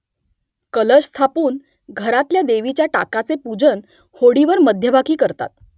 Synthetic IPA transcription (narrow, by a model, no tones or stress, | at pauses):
kələsst̪ʰapuːn | ɡʱəɾat̪ljad̪eʋit͡ɕjaʈa̰kat͡sepud͡zən | hoɽiʋəɾməd̪ʱjəbakʰiːkəɾt̪a̰t̪̚